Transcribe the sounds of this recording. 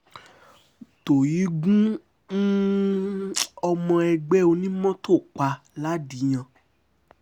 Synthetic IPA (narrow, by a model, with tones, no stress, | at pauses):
to˨ji˨˦ɡũ˦ | n̩˦ | ɔ˧mɔ̃˧ɛ˧ɡ͡bɛ˦o˧nĩ˦mɔ̃˦to˦˨k͡pa˧ | la˦di˨˦j̃ã˧